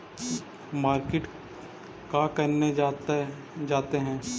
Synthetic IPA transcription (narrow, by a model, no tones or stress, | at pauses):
maːɾkɪʈ | kakɐɾne | d͡ʒaːt̪eɦɛ̃ː